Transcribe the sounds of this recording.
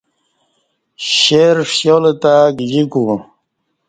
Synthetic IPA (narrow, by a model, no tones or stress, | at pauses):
ɕeɾʂjolet̪aɡd͡ʑiku